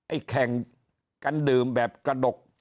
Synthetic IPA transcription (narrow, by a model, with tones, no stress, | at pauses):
ʔa˧jkʰɛ˨˩ŋ | ka˧nɗɨ˨˩əmɓɛː˨˩p̚kaː˧ɗʊ˨˩k͡p̚